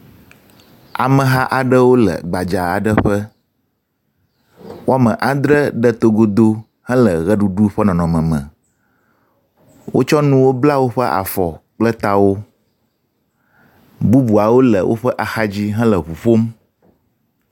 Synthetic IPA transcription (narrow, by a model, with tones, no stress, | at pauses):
a̰˨mə̃˨ɦa˦ʔa˨ɖə˦wo˦lə̰˨ɡ͡ba˨d͡ʒa˨a̰˨ɖə˦ɸə˦ | wo˦a˦˨mə̃˨ʔa˨d̪ɾə˦ɖə˦t̪o˦ɡo˦d̪o˦ | hɛ̃˦lə˨ɣɛ˦ɖu˨ɖu˦ɸə˦nɔ̃˨nɔ̃˨mə̃˨mə̰̃˨ | wo̰˦t͡ʃɔ˦nũ˦wo˦bla˦wo˦ɸə˦ʔa̰˨fɔ˨k͡plə˦t̪a˦wo˦ | bu˦bu˨a˨wo˦lə˨wʔo̰˦ɸə˦ʔa˨xa˦d͡ʑi˦ɦɛ̃˦lə˨ɸu˨ɸo˦m